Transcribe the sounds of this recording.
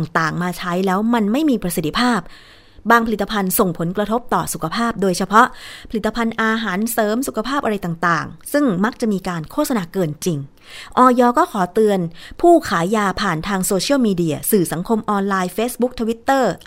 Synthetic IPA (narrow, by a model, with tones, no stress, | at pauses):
ŋt̪aː˨˩ŋmaː˧t͡ɕʰa˦˥jlɛː˦˥wma˧nma˥˩jmiː˧pɾa˧si˨˩t̪ʰːi˧pʰaː˥˩p̚ | baː˧ŋpʰa˧li˨˩t̪ːa˧pʰa˧nso˨˩ŋpʰo˩˦nkɾa˧t̪ʰo˦˥p̚t̪ɔː˨˩su˨˩kʰa˧pʰaː˥˩p̚doː˧jt͡ɕʰa˧pʰɔ˦˥ʔpʰa˧li˨˩t̪ːa˧pʰa˧nʔaː˧ɦaː˩˦nsɤː˩˦msu˨˩kʰa˧pʰaː˥˩p̚ʔa˧ɾa˧jt̪a˨˩ŋt̪aː˨˩ŋsɯ˥˩ŋma˦˥k̚t͡ɕa˨˩miː˧kaː˧nkʰoː˥˩sa˧naː˧˩kɤː˧nt͡ɕi˧ŋ | ʔɔː˧jɔː˧kɔː˥˩kʰɔː˩˦t̪ɯ˧ənpʰuː˥˩kʰaː˩˦jːaː˧pʰaː˨˩nt̪ʰaː˧ŋsoː˧t͡ɕʰi˥˩wmiː˧di˧ɐsɯː˨˩sa˩˦ŋkʰo˧mʔɔː˧nlaː˧jfeː˦˥sbu˦˥k̚t̪ʰa˧wi˦˥t̪ːɤː˥˩